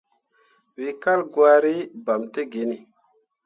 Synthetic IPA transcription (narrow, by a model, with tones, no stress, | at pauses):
wi˨ka˦lɡwa˦ɾi˦ba˨mte˦ɡe˨˦ni˨